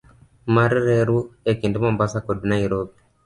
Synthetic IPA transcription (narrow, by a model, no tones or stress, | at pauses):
maɾiɾeɾuekindimambasakodinaiɾopi̥